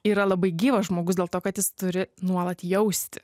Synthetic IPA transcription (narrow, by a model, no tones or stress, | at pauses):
iːɾɐlˠɐbɐɪɡʲiːʋɐsʒmoːɡʊsdʲeɛlˠt̪oːkɐt̪jɪst̪ʊɾʲɪnuɔlˠɐt̪jɛʊsʲt̪ʲɪ̥